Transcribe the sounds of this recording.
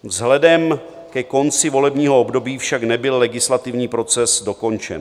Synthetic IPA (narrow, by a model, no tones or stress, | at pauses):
vzɦlɛdɛm | kɛko̞nt͡sɪvo̞lɛbɲiːɦo̞obdo̞biːfʃaknɛbɪlːɛɡɪslat̪ɪvɲiːpɾo̞t͡sɛsdo̞ko̞nt͡ʃɛ̰n